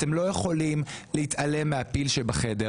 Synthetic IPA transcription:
temlo̞jeχo̞limleitale̞mːeapilʃebaχede̞

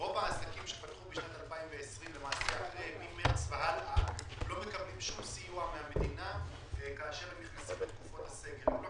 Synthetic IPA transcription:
o̞vaːsakimʃepat̪χubeʃnat̪alpaimve̞ːsʁimlemaːsiaχemimeʁt͡svehalʔalo̞me̞kablimʃumsijuameame̞d̪ina | kaːʃe̞ʁhemniχnasimlet̪kufo̞t̪hase̞ɡe̞llo

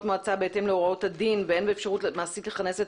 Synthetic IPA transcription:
tmoat͡sabeete̞mleo̞ʁao̞thadinvee̞nbeeːfʃaʁutmaːsitleχaneset

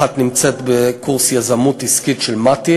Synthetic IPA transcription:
at̪nimt͡set̪bekuʁsjazamutiskitʃelmat̪i

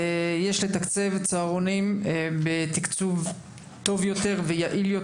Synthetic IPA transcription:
jeʃle̞t̪akt͡sevt͡saːʁonimbet̪ikt͡suv | t̪o̞vjo̞t̪e̞ʁvejaʔiljo

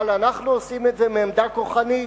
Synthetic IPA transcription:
lanaχnuosimetze̞meːmd̪akoχani

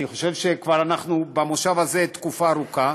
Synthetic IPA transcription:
niχo̞ʃe̞vʃekvaʁanaχnubamoʃavaze̞t̪kufaːʁuka

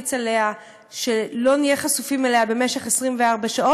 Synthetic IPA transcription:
t͡sale̞a | ʃe̞lo̞nijeχasufimeleabe̞meʃe̞χesʁimveaʁbaʃao

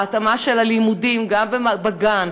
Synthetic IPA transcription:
at̪amaʃelalimudimɡambemabaɡan

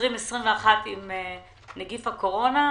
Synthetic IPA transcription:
ʁimesʁimveaχat̪ime | neɡifako̞ʁo̞na

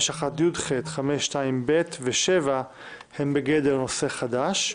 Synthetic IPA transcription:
ʃaχat̪jud̪χet̪χameʃːtaimbet̪veʃeva | hembeɡed̪elno̞se̞χad̪aʃ

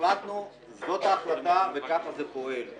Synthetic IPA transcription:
lat̪no | zot̪axlˠɐt̪avɛkafɐzɛpoɛl

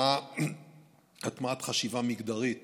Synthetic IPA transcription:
a | atmaatχaʃivamiɡd̪aʁit

